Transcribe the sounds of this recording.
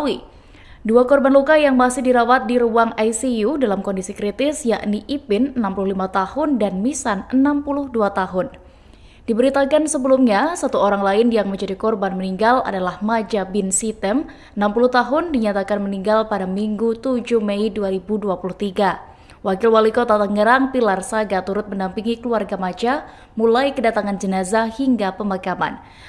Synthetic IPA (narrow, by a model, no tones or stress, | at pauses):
wi | duakɔrbanlukajaŋmasɪhdiɾawat̪̚diɾuaŋajsijudalamkɔndisikɾit̪ɪsjaʔniʔipɪnənampuluhlimat̪ahʊndanmisanənampulʊhduat̪aɦʊn | d̥ibəɾit̪akansəbəlumɲasat̪uoɾaŋlaɪnjaŋməɲd͡ʒadikɔrbanməniŋɡala̰dalahmad͡ʒabɪnsit̪ɛm | ənampulʊht̪aɦʊndiɲat̪akanməniŋɡalpadamiŋɡut̪ud͡ʒuhmɛiduaɾibuduapuluht̪iɡa | wakɪlwalikot̪at̪əŋəɾaŋpilarsaɡat̪uɾʊt̪̚məndampiŋikəluarɡamad͡ʒa | mulajkədat̪aŋand͡ʒənazahiŋɡapəmakama̰n